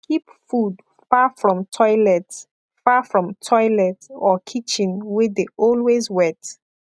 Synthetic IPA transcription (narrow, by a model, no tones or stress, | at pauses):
kʰipfud | fafɹɔ̃mtʰɔɪlɛt | fafɹɔ̃mtʰɔɪlɛtɔkʰit͡ʃĩnwedeɔlwezwɛt